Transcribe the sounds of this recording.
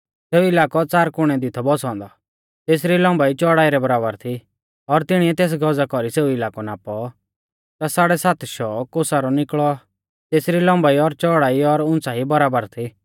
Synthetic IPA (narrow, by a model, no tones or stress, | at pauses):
seːuɪlaːkɔt͡saːɾkʊɽ̃ɛd̪ɪt̪ʰɔbɔsɔ̃ːnd̪ɔ | t̪eːsɾilɔ̃ːmbait͡ʃɔːɽaːiɾɛbɐɾaːbəɾt̪ʰi | ɔɾt̪ɪɽ̃iɛt̪eːs̬ɡɔd͡zakɔɾiseːuɪlaːkɔnaːpɔ | t̪asaːɽɛsaːt̪ʰʃɔːkosaɾɔnɪkɭɔ | t̪eːsɾilɔ̃ːmbaiɔɾt͡ʃɔːɽaːiɔɾʊ̃nt͡saɦibɐɾaːbəɾt̪ʰi